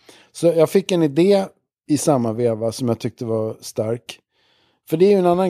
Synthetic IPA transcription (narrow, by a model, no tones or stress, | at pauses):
sɔjɑːɡfɪkːɛnɪd̪eː | ɪsamːaveːvasɔmjat̪ʰʏk̚t̪əvast̪aɾk | fœɖɛæɾjɵɛnanːan